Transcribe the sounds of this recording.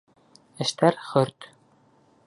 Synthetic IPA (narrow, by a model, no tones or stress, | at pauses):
ɘ̆ʃt̪æɾχɵɾt̪